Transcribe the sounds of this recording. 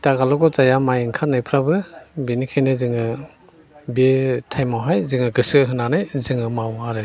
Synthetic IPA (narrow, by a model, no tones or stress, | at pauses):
taɡalɔɡɔzajamajiŋkʰanajpʰɾabɯbenikʰajnezɯŋɯ | betʰajmawɦajzɯŋɯɡɯsɯɦɯnanɯjzɯŋɯmawaɾɯ